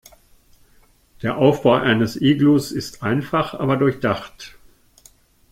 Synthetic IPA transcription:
d̥eːɐʔaʊfb̥aʊʔaɪnəsʔiːɡlusɪstʔaɪnfaχʔa̰ːbɐdʊɐçd̥aχt

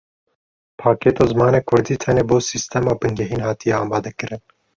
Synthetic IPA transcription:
pʰɑːkeːt̪oːzmɑːneːkʰʊɾd̪iːt̪ʰɛneːboːsist̪ʰɛmɑːbɨŋɡɛɦiːnɦɑːt̪ijɛɑːmɑːd̪ɛkɨɾʔɨn

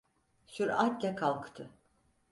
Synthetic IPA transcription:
syɾat̪lʲɛkʰalˠkt̪ʰɯ

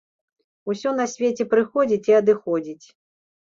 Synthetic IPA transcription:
usʲɔn̪ɐsʲvʲet͡sʲɛpɾɨxɔd͡zʲit͡sʲiɐd̪ɨxɔd͡zʲit͡sʲ

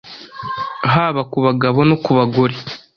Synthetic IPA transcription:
ɦaːβakuβaɡaβo̞nokuβaɡoɾe

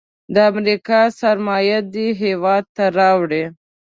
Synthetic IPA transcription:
d̪əamɾikɑsaɾmɑjad̪iɦewɑd̪̚t̪aɾɑwɽe

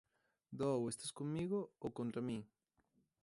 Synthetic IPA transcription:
d̪owest̪askoŋmiɣookõnt̪ɾamĩ

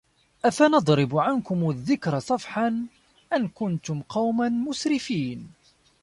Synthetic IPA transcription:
ʔafanɑd̪ˤɾɪbʕankʊmaðːɪkɾɑsˤɑfħan | ʔankʊnt̪ʊmqɑwmanmʊsɾɪfiːn

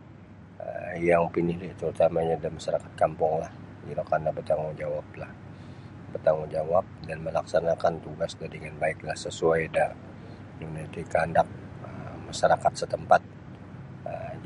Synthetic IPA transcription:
ə̰jaŋpinɪhliʔt̪əɾut̪amaɲadimaʃaɾakḁt̪̚kampʊŋlah | ilokanabət̪aŋud͡ʒawap̚lah | bərt̪aŋud͡ʒawap̚danməlaksanakant̪uɡasdadiŋanbaɪklahsəsuajdaʔ | unat̪ikandak̚ | əmaʃaɾakat̪̚sət̪əmpat̪̚ | ə

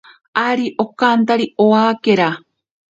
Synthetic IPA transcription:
aɾiʔokant̪aɾioakeɾa

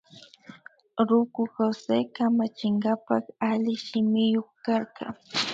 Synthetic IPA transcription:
ɾʊkʊxosekamat͡ʃɪŋɢapɑχalɪʃɪmɪjoχkaɾɢɑ̰ŋ

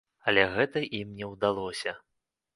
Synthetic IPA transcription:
ɐlʲɛɣɛt̪ɐʔimnʲɛwd̪alˠɔsʲɐ

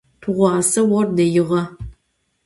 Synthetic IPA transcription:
tʰuʁʷɑːsɐwɔrdɐjɪʁɐ

